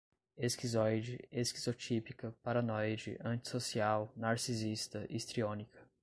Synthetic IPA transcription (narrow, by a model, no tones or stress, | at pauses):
eskizɔjd͡ʒɪeskizot͡ʃipikɐpaɾanɔjd͡ʒɪ̰ʔɐ̃nt͡ʃi̥sosiawnaɾsizist̪ɐʔist̪ɾiõnikɐ